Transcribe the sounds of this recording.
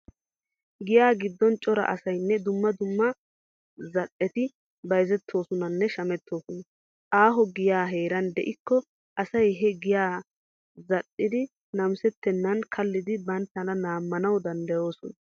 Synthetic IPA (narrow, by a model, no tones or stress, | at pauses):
ɡɪjaːɡɪd̪ːɔnt͡ʃʼɔɾɐ̰ʔɐsɐjnːɛd̪ʊmːɐd̪ʊmːɐ | zɐɗːɛt̪ɪ | bɐjzɛt̪ʰːo̞ːsɔnɐnːɛʃɐmɛt̪ʰːo̞ːsɔnɐ | ʔaːɦɔɡɪjaːɦe̞ːɾɐnd̪ɛ̰ʔɪkːɔ | ʔɐsɐjɦɛɡɪjaː | zɐɗːɪd̪ɪ | nɐmsɛt̪ːɛnːɐnkʰɐlːɪd̪ɪbɐnt̪ːɐnɐnaːmːɐnɐwd̪ɐnd̪ɐjo̞ːsɔnɐ